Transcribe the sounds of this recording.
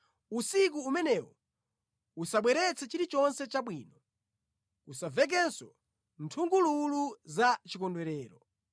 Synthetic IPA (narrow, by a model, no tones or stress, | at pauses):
usik̬uːmɛnɛwɔ | usaɓwɛɾɛt͡sʰɛt͡ʃiɾit͡ʃɔnsɛt͡ʃaɓwiːnɔ | usavɛk̬ɛnsɔ̰ | ntʰuŋɡululuzat͡ʃikɔndwɛɾɛːɾɔ